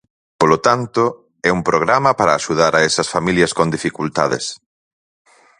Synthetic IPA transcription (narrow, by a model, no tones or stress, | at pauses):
polot̪ant̪ʊ | ɛumpɾoɣ̞ɾamɐpaɾaːʃuð̞aɾaɛsɐsfamiljɐskond̪ifikult̪aðḛs